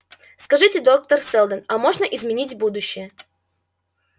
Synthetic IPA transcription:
skɐʐɨtʲɪd̪ok̚t̪ərsɛlˠd̪ənɐmo̞ʐnəʔɪzmʲɪnʲitʲbud̪ʊɕːɪjə

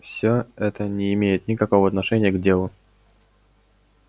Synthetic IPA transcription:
fsʲoɛt̪ənʲɪːmʲejɪt̪nʲɪkɐko̞vəɐt̪nɐʂɛnʲɪjəɡdʲelˠʊ

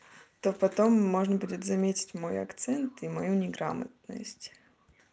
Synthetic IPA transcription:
t̪opɐt̪omːo̞ʐnəbudʲɪt̪zɐmʲetʲɪ̥tʲmo̞jɐ̰kt̪sɛnt̪imɐjunʲɪɡɾa̰mə̰t̪̚nə̰sʲtʲ

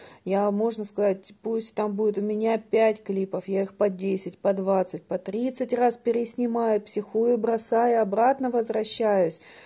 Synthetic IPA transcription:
jamo̞ʐnəskɐzat̚ʲpusʲtʲt̪ambudʲɪt̪ʊmʲɪnʲapʲætʲklʲipəfjaixpɐdʲesʲɪt̚ʲpɐd̪vat̪sɨt̚ʲpɐt̪ɾʲit̪sɨtʲraspʲɪɾʲɪsʲnʲɪmajʊpsʲɪxujʊbɾɐsajʊɐbɾat̪nəvəzvɾɐɕːæjʊsʲ

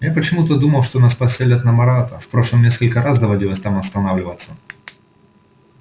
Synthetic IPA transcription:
japət͡ɕɪmut̪əd̪uməlˠʂt̪onaspɐsʲelʲət̪nɐmɐɾat̪əfpɾo̞ʂlˠəmnʲeskəlʲkəɾasd̪ɐvɐdʲilˠəsʲt̪amɐst̪ɐnavlʲɪvət̪sːə

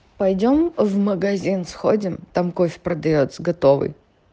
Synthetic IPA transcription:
pɐjdʲo̞mvməɡɐzʲinsxodʲɪmt̪amkofʲpɾəd̪ɐjot̪səɡɐt̪o̞vɨ̰j

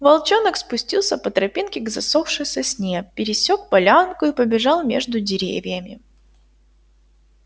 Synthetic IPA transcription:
vɐlˠt͡ɕonəkspʊsʲtʲilˠsʲəpət̪ɾɐpʲinkʲɪɡzɐsofʂɨsʲəsʲnʲepʲːɪɾʲɪsʲok̚pɐlʲankʊipəbʲɪʐɑlˠmʲe̞̰ʐd̪ʊdʲɪɾʲḛvʲjəmʲɪ

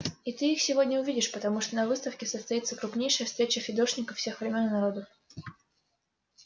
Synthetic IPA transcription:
it̪ɨixsʲɪvo̞dʲnʲəʊvʲidʲɪʂpət̪ɐmuʂt̪onɐvɨst̪əfkʲɪsəst̪ɐit̪səkɾʊpnʲejʂəjəfst̪ɾʲet͡ɕəfʲɪd̪o̞ʂnʲɪkəfsʲe̞xvɾʲɪmʲo̞nːɐɾo̞d̪əf

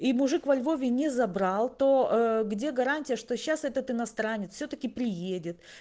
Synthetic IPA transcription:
imʊʐɨkvɐlʲvo̞vʲɪnʲɪzɐbɾɑlˠt̪o̞ɡdʲe̞ɡɐɾanʲtʲɪjəʂt̪o̞ɕːasɛt̪ət̪ɨnɐst̪ɾanʲɪt̪sfsʲot̪əkʲɪpɾʲɪjedʲɪt̪

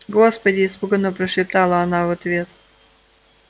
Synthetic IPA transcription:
ɡospədʲɪːspuɡənəpɾəʂɪp̚t̪alˠəɐnavɐt̪vʲet̪

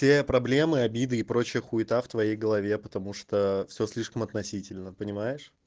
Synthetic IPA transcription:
sʲepɾɐblʲe̞mɨɐbʲid̪ɨːpɾo̞t͡ɕɪjəxuɪt̪aft̪vɐjejɡəlˠɐvʲe̞pət̪ɐmuʂt̪ofsʲosʲlʲiʂkəmɐt̪nɐsʲitʲɪlʲnəpənʲɪmajɪʂ

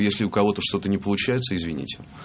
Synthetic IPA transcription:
jesʲlʲɪʊkɐvo̞t̪əʂt̪o̞t̪ənʲɪpəlˠʊt͡ɕæjɪt̪səɪzvʲɪnʲḭtʲɪ̥

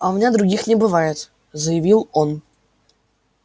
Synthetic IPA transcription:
ɐʊmʲɪnʲad̪ɾʊɡʲixnʲɪbɨvajɪt̪ | zəjɪvʲilˠon

